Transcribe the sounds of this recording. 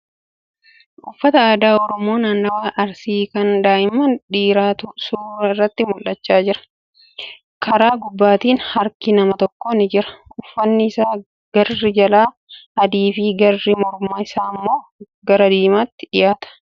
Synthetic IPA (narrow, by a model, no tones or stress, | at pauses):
ʔʊfːɐt̪ɐaːd̪aːɔɾɔmo̞ːnaːnːɐwaːʔɐɾsiːkɐnd̪aːɪmɐnᶑiːɾaːt̪ʊsuːɾɐɪrːɐt̪ːɪmʊlːɐt͡ʃːaːd͡ʒɪɾɐ̥ | kʰɐɾaːɡʊbːaːt̪iːnhɐɾkɪnɐmɐt̪ɔkːonɪd͡ʒɪɾɐ̥ʊfːɐnːɪɪsaː | ɡ̥ɐrːɪd͡ʒɐlaː | ɐd̪iːfiːɡɐrːɪmɔɾmaːɪsaːmːo̞ː | ɡɐɾɐd̪iːmaːt̪ːɪ̥ᶑɪjaːt̪ɐ̥